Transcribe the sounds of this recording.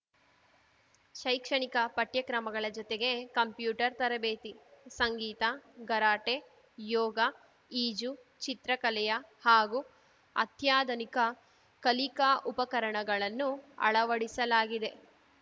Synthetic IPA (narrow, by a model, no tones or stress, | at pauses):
ʃɐjkʂɐɳikɐpɐʈjɐkɾɐmɐɡɐɭɐd͡ʒɔt̪eɡe̞kɐmpjuːʈɐɾt̪ɐɾɐbeːt̪isɐŋɡiːt̪aɡɐɾaːʈe | jɔːɡɐ | iːd͡ʒu | t͡ʃit̪ɾɐkɐlɛjɐhaːɡu | ɐ̰t̪jaːd̪ɐnikɐ | kɐlikaːʔupɐkɐɾɐɳɐɡɐɭɐnːuɐ̰ɭɐʋɐɽisɐlaːɡid̪e̞